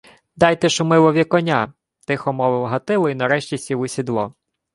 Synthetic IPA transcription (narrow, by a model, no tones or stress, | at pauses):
d̪ɑjt̪ɛʃʊmɪlˠɔʋʲikɔnʲa | t̪ɪxɔmɔʋɪwɦɐt̪ɪlˠɔinɐɾɛʃt͡ʃʲisʲiʋɪsʲid̪lˠɔ